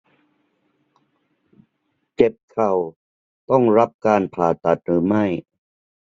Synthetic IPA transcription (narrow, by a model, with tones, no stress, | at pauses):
t͡ɕe˨˩p̚kʰa˨˩w | t̪ɔ˥˩ŋɾa˦˥p̚kaː˧npʰaː˨˩t̪a˨˩t̪̚ɾɯː˩˦ma˥˩j